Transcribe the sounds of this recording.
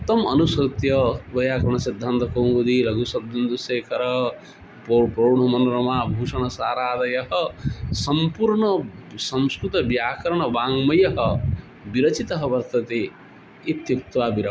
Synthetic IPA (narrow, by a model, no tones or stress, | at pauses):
t̪ɐmɐ̰nust̪jʌbɐjaːkuɳ̃ɐsid̪ʱːant̪ɐkõw̃ɡud̪ilɐɡusɐd̪ʱind̪useːkʰɐɾʌ | popɾoɳɐmɐnɾɐmabʱusɐɽ̃ʌsaːɾaːd̪ɐjɐɦʌsʌmpuɾɳʌsʌmskɾut̪ɐbjaːkɐɾɳ̃ʌbaŋmʌjɐɦʌ | biɾɐt͡ʃit̪ɐɦɐbɐɾt̪ɐt̪e | it̪juk̚t̪wabiɾɐ